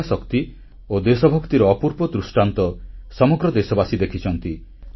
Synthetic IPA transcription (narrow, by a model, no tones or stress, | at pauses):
asɔkt̪i | od̪esɔbʱɔkt̪iɾɔːpuɾpɔd̪ɾusʈant̪ɔsɔmɔɡɾɔd̪esɔbasid̪ekʰit͡ʃʰɔnt̪i